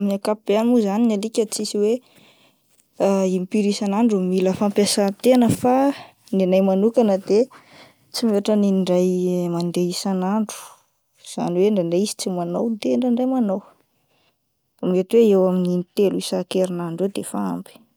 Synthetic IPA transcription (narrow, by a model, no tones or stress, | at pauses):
miakapib̥eanmuzaninalikʲət͡sisiwe | imipiɾisanaɳɖ͡ʐumiləfampjasat̪enəfa | nenajmanukanəd̪e | t͡simeaʈ͡ʂəniɳɖ͡ʐajmand̪eisanaɳɖ͡ʐu̥ | z̥a̰niweɳɖ͡ʐaɳɖ͡ʐeisi̥t͡simanowd̪eɳɖ͡ʐaɳɖ͡ʐajmanow | amiet̪uweewamininit̪eluisakeɾinaɳɖ͡ʐuwed̪efaa̰mbi̥